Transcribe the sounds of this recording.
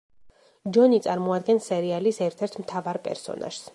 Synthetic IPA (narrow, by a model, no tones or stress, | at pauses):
d͡ʒɔnit̪sʼaɾmɔad̪̚ɡɛnsɛɾialisɛɾt̪ʰɛɾt̪ʰmt̪ʰavaɾpʼɛ̰ɾsɔ̰nʔa̰ʒ̥s